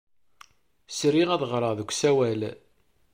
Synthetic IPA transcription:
sɾiʁæðəʁɾˤəʁðəkʷːsæwæl

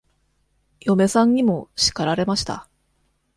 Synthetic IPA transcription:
jo̞me̞sãɲ̟ɲ̟imo̞ɕi̥kaɾaɾe̞maɕi̥t̪a̰

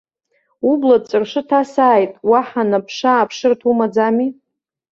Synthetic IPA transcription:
ublad̚t͡sʼɨrʂɨtʰasaːjtʼwaħanapʰʂaːpʰʂɨrtʰumad͡zami

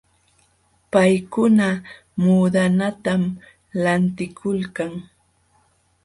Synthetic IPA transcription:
pajkʊna | muːd̪anat̪am | lant̪ɪkʰʊlkaŋ

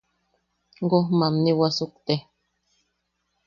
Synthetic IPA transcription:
ɡohmamniwasuk̚t̪e

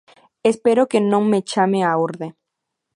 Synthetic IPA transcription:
espeɾokenõŋmet͡ʃameauɾðe

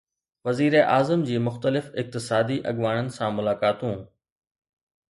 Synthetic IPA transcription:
ʋɐziːɾeʔaːzəmd͡ʑiːmʊxt̪əlɪfɪk̚t̪ɪsaːd̪iʔɐɠʋaːɽ̃ənɪ̆sãmʊlaːkaːt̪ũː

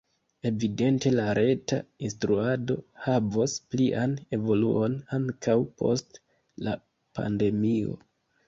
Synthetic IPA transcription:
e̞vide̞nte̞laɾe̞tainstɾuado̞̰havospliʔane̞vo̞lṵʔo̞naŋkʰawpʰo̞̰st | la | pa̰nde̞mio̞̰

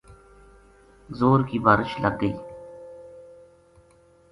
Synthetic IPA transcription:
zoːɾkiːbaːɾɪʃlə̰ɡɡəiː

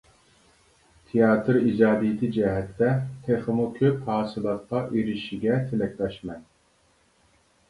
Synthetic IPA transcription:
t̪ʰijɑːt̪ʰɨɾid͡ʒɑːd̪ijt̪ʰɨd͡ʒɛɦɛt̪ːɛt̪ʰeχəmukʲʰøphɑːsɨlˠɑt̪̚qʰɑʔiɾiʃiɡʲɛt̪ʰelɛkʲlɑʃmɛn

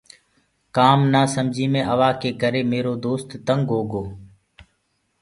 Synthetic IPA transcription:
kaːmnaːsəmd͡ʒʱiːmẽːʔəʋaːkeːkəɾeːmeːɾoːd̪oːst̪ːəŋɡɦoːɡoː

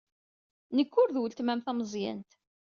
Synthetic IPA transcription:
nəkːʊɾðwəlt̪mæmθæməzˤjæ̰nt̪

